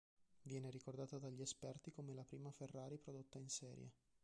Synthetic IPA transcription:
vjɛːneɾikord̪aːt̪ad̪aʎːiespɛrt̪ikomelapɾiːmaferːaːɾipɾod̪ot̪ːainsɛ̰ːɾjḛ

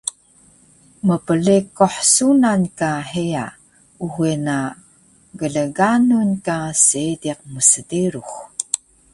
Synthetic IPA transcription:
məpəlikoħsunankaħia̰ | uɦwena | ɡəɮəɡanunkasidiq̚məsədiɾux

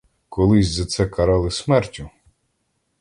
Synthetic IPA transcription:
kɔlˠɪsʲzɐt̪sɛkɐɾɑlˠɪsmɛrtʲʊ

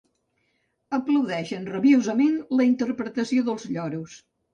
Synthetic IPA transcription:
əpləwðɛʃənrəβiozəmenləint̪əɾpɾət̪əsioðəlˠzʎɔɾus

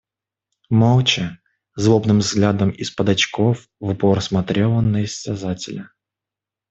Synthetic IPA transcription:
malˠt͡ɕə | zlˠobnɨmvzɡlʲad̪əmɪspəd̪ɐt͡ɕkof | vʊpoɾəsmɐt̪ɾʲelˠənəɪsːʲazatʲɪlʲə

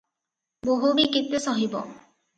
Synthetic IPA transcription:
boɦubikit̪ːesɔɦibɔ̰

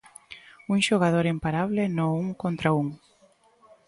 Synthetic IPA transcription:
uŋʃoɣað̞oɾimpaɾaβlɪnouŋkont̪ɾauŋ

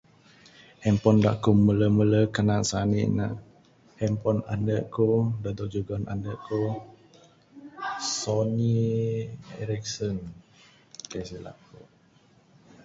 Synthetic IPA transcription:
hɛmpɔndaʔkumələmələkanaʔsanḭnaʔ | hɛmpɔna̰ndəʔkodad̪ɔʔd͡ʒuɡɔna̰ndəʔko | sɔni | ɛɾik̚sən | kasila̰ʔko

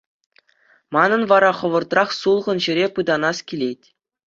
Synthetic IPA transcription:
mɑnɤ̆nʋɑɾɑχɤ̆ʋɤ̆rt̪rɑχsulˠʁɤ̆nʑɘ̆ɾʲepɯd̪ɑnɑskʲilʲet̚ʲ

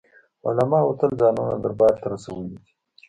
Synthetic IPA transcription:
ʊ̰lamɑːot̪əlzɑːnona̰d̪aɾbɑːɾt̪aɾasawəlid̪i̥

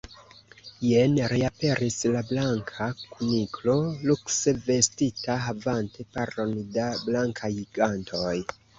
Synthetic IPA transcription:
jenɾiape̞ɾʔislablaŋkʰakuniklo̞lukse̞ve̞stitaɦavante̞paɾondablaŋkʰajɡantʰo̞j

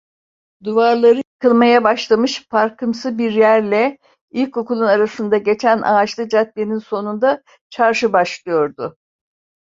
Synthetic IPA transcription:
d̪uvaɾlˠaɾɯkʰɯlˠmajabaʃlˠamɯʃfaɾkʰɯmsɯbiɾjæɾlʲɛ | ilʲkʰokulˠunaɾasɯnd̪aɟe̞t͡ʃʰænʔa̰ːt͡ʃlˠɯd͡ʒat̪̚beninso̞nund̪a | t͡ʃʰaɾʃɯbaʃlˠɯjo̞ɾd̪ʊ

